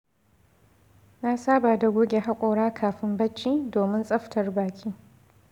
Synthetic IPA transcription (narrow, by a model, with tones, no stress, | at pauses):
na˦saː˦baː˨da˨ɡʷoː˦ɡʲe˨ɦa˦kʷʼoː˨ɽaː˦kʰaː˨ɸɪ˦mbɐ˦t͡ʃːiː˦doː˨mɪ˦nsʼɐ˦ɸtɐ˨rbaː˨kʲʰʼiː˦